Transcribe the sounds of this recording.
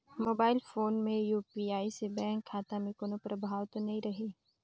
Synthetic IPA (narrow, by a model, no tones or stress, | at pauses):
moːbaːɪlfoːnmẽjuːpiaːisebɛ̃ːŋkʰːaːt̪amẽkoːnõpɾɐbʱaːwt̪onɐɦĩɾɐɦeː